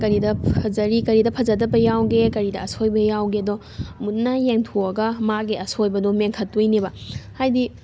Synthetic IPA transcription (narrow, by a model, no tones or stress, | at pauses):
kɐɾidɐɐzɐɾikɐɾidɐpʰɐzɐdɐbɐjawɡekɐɾidɐːsʰojbɐjawɡeɐdɔ | mut̚nɐjeŋtʰuɐɡɐmaɡiɐsojbɐdɔmeŋkʰɐtːujnibɐhajdi